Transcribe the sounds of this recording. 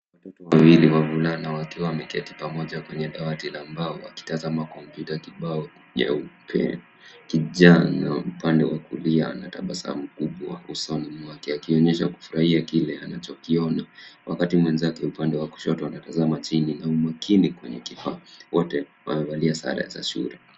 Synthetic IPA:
watɔtɔwawiliwavulanawakiwamɛkɛti̥pamɔʄakwɛɲɛɗawatilaːmbaɔa̰ki̥tazamakɔmpjutakiɓaɔ | ja̰upʰɛ̰ | kiʄana̰upandɛwakulianata̰ɓasa̰m̩kuɓwausɔnimakɛakiɔɲɛʃaku̥fuɾahiakilɛanat͡ʃɔkiɔnawakatimwɛnzakɛupandɛwaku̥ʃɔtɔanatazamat͡ʃininaumakʰinikwɛɲɛ̰kifawɔtɛwa̰mɛvaliasa̰ɾa̰za̰ʃṵɾɛ

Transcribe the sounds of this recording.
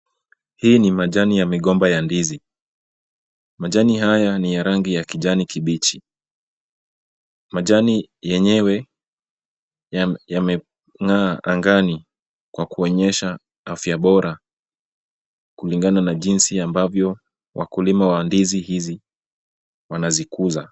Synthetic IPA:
hiːnimaʄanijamiɠɔmbajandizi | maʄaniɦajanijaɾaŋɡijakiʄanikiɓit͡ʃi | maʄanijɛɲɛwɛ | jamɛ | ŋaːʔaŋɡani | kwakuɔɲɛʃa | afjaɓɔɾa | kuliŋɡananaʄinsiambavjɔ | wʔa̰kulimawandizihizi | wanazikuza

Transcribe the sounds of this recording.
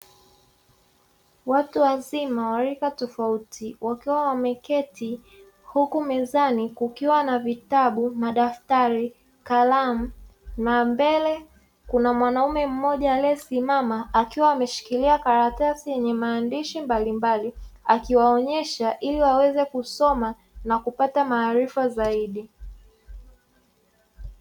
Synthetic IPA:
watuwazimawaɾikatɔfautʰiwakiwawamɛkɛti | hukumɛzanikukiwanavitaɓumaɗaftaɾi | kalam̩nambɛlɛ | kunamwanaumɛm̩mɔʄalɛsimamaːkiwaːmɛʃi̥kiliakaɾatasijɛɲɛmaːndiʃimbalimbaliakiwaɔɲɛʃaʔiliwawɛzɛkusɔma | nakupatamaːɾifazaiɗi

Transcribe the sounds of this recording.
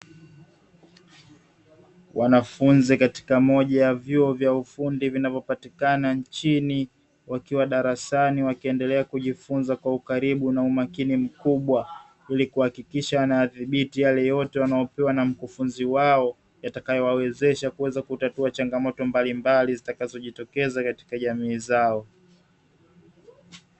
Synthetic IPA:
wʔanafunzikati̥kamɔʄajavjuɔvjaufundivinavjɔpatikanant͡ʃini | wakiwaɗaɾasaniwakiɛndɛlɛakuʄifunzakwaukaɾiɓunaumakinim̩kuɓwa | ilikuhakikiʃaanajaðiɓitijalɛjɔtɛwanajɔpɛwanam̩kufunziwaɔ | jatakajɔwawɛzɛʃakuwɛzakutatuat͡ʃaŋɡamɔtɔmbalimbalizitakazɔʄitɔkɛzakati̥kaʄamiːzaɔ

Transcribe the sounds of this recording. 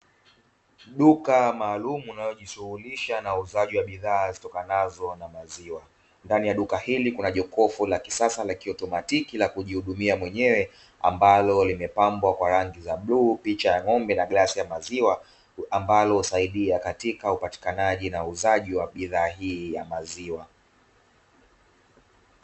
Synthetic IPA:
ɗukamaːlumuːnajɔʄisuhuliʃanauzaʄiwaɓiðaːzitɔkanazɔnamaziwa | ndanijaɗukahilikunaʄɔkɔfulaki̥sasalakiɔtɔmatikilakuʄihuɗumiamwɛɲɛwɛ | a̰mbalɔlimɛpambwakwaɾaŋɡizaɓluːpit͡ʃajaŋɔmbɛnaɠasijamaziwa | ambalɔusaiɗiakatikaupati̥kanaʄinauzaʄiwaɓiðaːɦiːjamaziwa

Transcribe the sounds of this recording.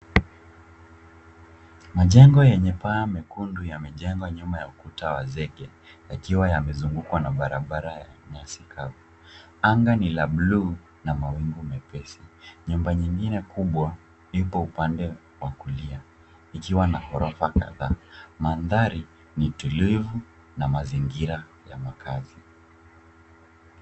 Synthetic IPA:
maʄɛŋɡɔjɛɲɛpaːmɛkundujamɛʄɛŋɡwaɲumajaukutawazɛɡɛ | jakiwajamɛzuŋɡukwanaɓaɾaɓaɾajaɲasikʰavu | aŋɡanilablu | namawiŋɡumɛpɛsiɲumbaɲiŋɡinɛkuɓwa | nipɔupandɛ | wakulia | ikiwanahɔɾɔfaka̰ðaːmanðaɾi | nitulivu | namaziŋɡiɾa | ja̰makʰazi

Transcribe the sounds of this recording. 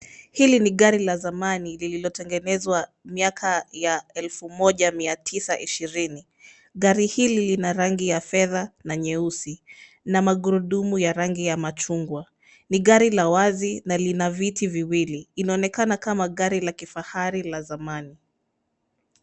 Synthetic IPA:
hiliniɠaɾilazamanilililɔtɛŋɡɛnɛzwa | miakʰajaɛlfumɔʄamiatʰisaʔiʃiɾini | ɠaɾihililinaɾaŋɡijafɛðanaɲɛusi | namaɠuɾuɗumujaɾaŋɡijamat͡ʃuŋɡwa | niɠaɾilawazinalinavitiviwiliːnaɔnɛkanakamaɠaɾilakifahaɾilazamani

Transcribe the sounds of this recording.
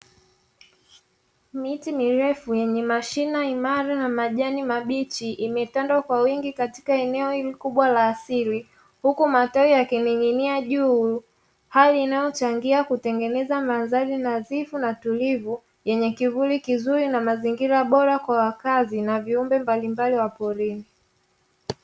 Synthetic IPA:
mitimiɾɛfujɛɲɛmaʃinaimaɾanamaʄanimaɓit͡ʃiʔimɛtandwakwawiŋɡikati̥kaɛnɛɔhilikuɓwalaːsili | hukumatɔijakiniŋiniaʄuː | haliːnajɔt͡ʃaŋɡiakutɛŋɡɛnɛzamanzaɾinazifunatulivu | jɛɲɛkivulikizuɾinamaziŋɡiɾaɓɔɾakwawakazinaviumbɛmbalimbaliwapɔɾini

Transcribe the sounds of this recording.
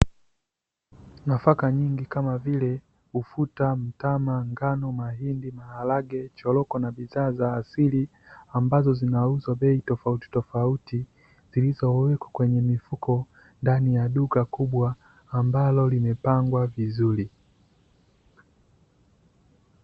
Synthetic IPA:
nafakaɲiŋɡikamavilɛ | ufutam̩tamaŋɡanɔmaɦindimahalaɡɛt͡ʃɔlɔkɔnaɓiðaːzaːsili | ambazɔzinauzwaɓɛitɔfauti̥tɔfauti | z̥ilizɔwɛkwḁkwɛɲɛmifukʰɔ | ndanijaɗukakuɓwaː | mbalɔlimɛpaŋɡwavizuli

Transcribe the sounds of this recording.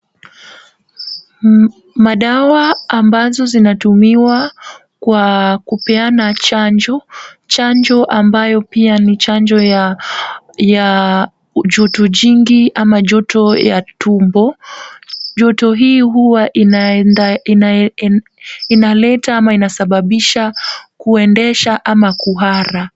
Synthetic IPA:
maɗawaːmbazɔzinatumiwa | kwakupɛanat͡ʃaɲd͡ʒɔt͡ʃaɲd͡ʒɔʔambajɔpianit͡ʃand͡ʒɔja | ja | ʄɔtɔʄiŋɡiʔamaʄɔtɔja̰tumbɔ | ʄɔtɔɦiːɦuwaʔin | inalɛtaamainasaɓaɓiʃakuɛndɛʃaʔamakuɦaɾa

